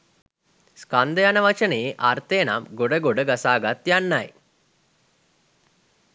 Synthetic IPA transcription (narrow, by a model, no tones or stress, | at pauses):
skand̪əjanəʋat͡ʃənəeʔart̪əjəna̰mɡoɖəɡoɖəɡasaːɡat̪janːaj